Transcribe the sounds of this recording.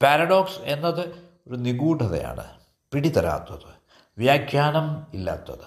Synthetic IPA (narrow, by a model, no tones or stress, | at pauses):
paɾɐɽoːkse̞nːɐðɨ | oɾuniɡuːʈʰɐðɐ̰ja̰ːɳɨ̰ | piɽit̪ɐɾa̰ːt̪ːɐðɨ | ʋjaːkʰjaːnɐmilːa̰ːt̪ːɐ̰ðɨ